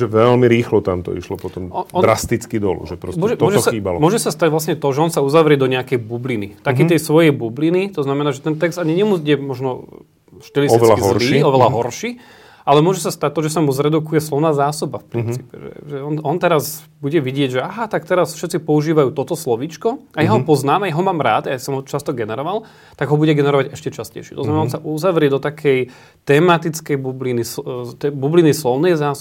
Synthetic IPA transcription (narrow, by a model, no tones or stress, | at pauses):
ʒɛʋɛlmiɾiːxlɔt̪amt̪ɔ̰ḭʃlɔpɔt̪ɔmɔɔd̪ɾast̪it͡skid̪ɔ̰lṵʒɛpɾɔsmʊʒɛmɔʒsaiːbalɔmʊɔʒɛsast̪aɟʋlasɲɛt̪ɔʒɛɔnsauzaʋɾɪɛd̪ɔɲɛakɛjbublinit̪akɛːt̪ɛjsʋɔjɛjbublinit̪ɔznamɛnaːʒɛt̪ɛnt̪ɛkz̥d̪aɲiɲɛmuɟɛmɔʒnɔ | ʃt̪ɛlitt̪ʋɛlakiɦzɔɾiːɔʋɛlaɦɔɾʃiː | alɛmʊɔʒɛsast̪ac̚t̪ːɔʒɛs̬amuzɾɛd̪ukujɛslɔʋnaːzaːsɔbafpɾint͡sːiːpɛ̰ʒɛ̰ʒɛɔnɔnt̪ɛɾaz | buɟɛʋiɟɪɛɟʒɛaɦat̪ak̚t̪ɛɾasfʃɛt̪t͡sipɔuʒiːʋajuːt̪ɔt̪ɔslɔʋit͡ʃkɔajaɦɔpɔznaːmajaɦɔmaːmɾaːt̪jasɔmɦɔt͡ʃast̪ɔɡɛnɛɾɔʋal | t̪aɡɦɔbuɟɛɡɛnɛɾɔʋaɟɛʃcɛt͡ʃascɛ̰jʃɪɛ̥t̪ɔznamɛnaɔnsaʔuzaʋɾɪɛd̪ɔt̪akʰɛj | t̪ɛːmat̪it͡skɛjbublinist̪ɛbublinislɔʊnɛjzaːs